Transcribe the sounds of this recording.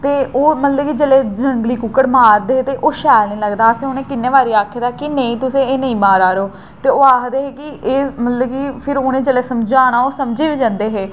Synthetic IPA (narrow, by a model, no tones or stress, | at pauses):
t̪eːoːmət̪ləbkid͡ʒəleːd͡ʒəŋɡliːkʊkːəɽmaːɾd̪eːt̪eːʔoːʃɛːlnĩːləɡd̪aːəsẽːonẽːkɪnːeːʋaːɾiːaːkʰeːd̪aːkɪneĩːt̪ʊsẽːeːnəĩːmaːɾaːɾeoː | t̪eːoːaːkd̪eːɦeːkɪeːmət̪ləbkipʰɪɾoːnẽːd͡ʒəleːsəmd͡ʒaːñaːoːsəmd͡ʒeːʋiːd͡ʒãːnd̪eːɦeː